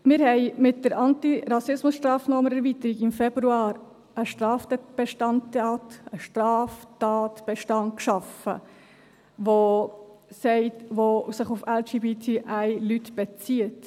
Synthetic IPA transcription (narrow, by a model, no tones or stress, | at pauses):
mɪːɾhɛɪmɪt̚d̥əɾʔɑntiɾɑsɪsmʊsʃtɾɑːfnɔːməɾɛɾvit̪əɾiɡɪmfɛbɾuɑːɾ | əʃtɾɑːftɛb̥ɛʃtɑnttɑːtəʃtɾɑːftɑːtb̥ɛʃtɑnt̚kʃɑfə̰ | ʋo | sɛɪtʋosɪχufɛld͡ʒiːbit̪ʰiʔæɪlytb̥ɛt͡siət